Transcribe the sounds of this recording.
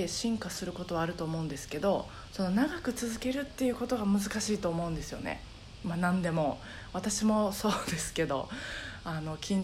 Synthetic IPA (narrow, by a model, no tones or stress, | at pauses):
eɕĩŋkasɨɾɯ̟ko̞t̪o̞βaːɾɯ̟t̪o̞ːmo̞ɯ̟̃nd̪e̞sɨ̥ke̞d̪o̞ | so̞no̞naɡakɯ̟t͡sɨzɨke̞ɾɯ̟t̪ːe̞jɯ̟ːko̞t̪o̞ɡamɯzɨkaɕiːt̪o̞ːmo̞ɯ̟̃nd̪e̞sɨjo̞̰nḛ | manãnd̪e̞mo̞ | βat̪aɕimo̞so̞ːd̪e̞sɨ̥ke̞d̪o̞̰ano̞kʲĩɲ